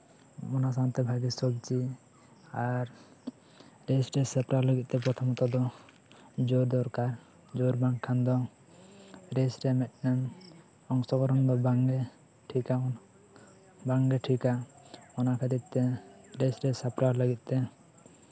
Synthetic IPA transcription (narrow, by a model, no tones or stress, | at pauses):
mɔnas̬ant̪ɛbʱaɡisɔɡ̚d͡ʒi | aɾ | ɾesɾesapɾaɾləɡit̪̚t̪ɛp̬ɾɔt̪ʰɔmɔt̪ɔd̪ɔ | d͡ʒoɾd̪ɔɾkaɾ | d͡ʒoɾbãŋkʰand̪ɔ | ɾesɾɛmɛt̪̚ˀnɛn | ɔŋsɔɡɔɾɔnd̪ɔbaŋɡɛ | ʈʰikan | baŋɾɛʈʰikaɔnakʰad̪it̪̚t̪ɛɾesɾɛsapɾaɾləɡit̪̚ˀt̪ɛ